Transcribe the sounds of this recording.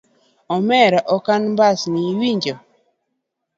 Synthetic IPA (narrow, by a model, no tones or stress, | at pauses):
ɔmɛɾaʔɔkanmbasniwiɲd͡ʒɔ